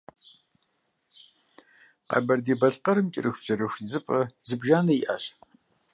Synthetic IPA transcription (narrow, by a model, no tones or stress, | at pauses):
qɐ̰bɐrdeːbɐɬqɐɾɨmt͡ʃʼɪ̰rʔɨxbz̥ɐɾɨxʷzɨpʼɐzɨbʒaːnɐiʔa̰ɕ